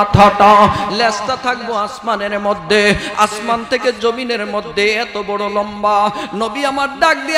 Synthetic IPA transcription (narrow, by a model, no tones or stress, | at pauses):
t̪ʰaʈɔ̃lɛst̪at̪ʰak̚boasmaneɾmod̪ʱːea̰smant̪ʰeked͡ʑomineɾmod̪ʱːeɛt̪obɔɽolɔmbanobiamaɾɖak̚d̪i